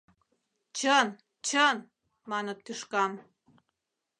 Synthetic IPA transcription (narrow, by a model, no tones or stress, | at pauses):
t͡ɕən | t͡ɕən | mɑnət̪ːyʃkɑm